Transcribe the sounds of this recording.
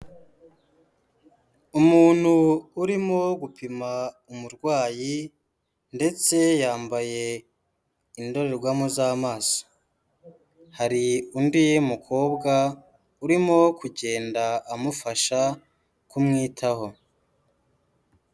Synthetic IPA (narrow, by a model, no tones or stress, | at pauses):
umuːn̥huːɾimo̞ɡupʰima | umuɾɡwaːji | nde̞t͡se̞jaːmbaje̞ | indo̞ɾe̞ɾɡwamozaːmaːso̥ | haɾiundijmukʰo̞ːbɡa | uɾimo̞kuɟe̞ːndaːmufaʃa | kumŋiːtʰaho̞